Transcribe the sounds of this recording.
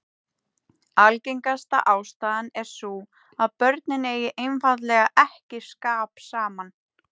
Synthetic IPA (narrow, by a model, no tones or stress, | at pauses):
alcejŋkast̪a̰ʔaːwst̪aːðanɛɾ̥su | aðpœɾt̪̚nɪneːjɪʔejnfaðlɛːɣaʔɛhcɪskaːpsaːman